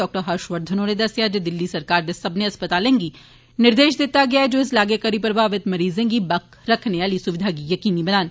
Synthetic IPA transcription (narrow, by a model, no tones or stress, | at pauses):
ɔːk̚ʈəɾɦaɾʃʋəɾd̪ʱənõned̪ɐsjad͡ʒed̪ɪlːisɐɾkaːɾd̪esɐbneɐspət̪aːlẽːŋɡi | nɪɾd̪eːʃd̪ɪt̪ːaɡɐjaːɛd͡ʒoːɪslaːɡekɐɾipɾɐbʱaːʋɪt̪mɐɾiːzẽɡibɐk | ɾɐkʰneaːlisʊʋɪd̪ʱaɡijɐkiːnibɐnaːn